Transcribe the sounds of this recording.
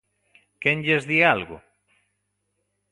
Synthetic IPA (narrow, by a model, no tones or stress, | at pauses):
keŋʎezðialɣʊ̰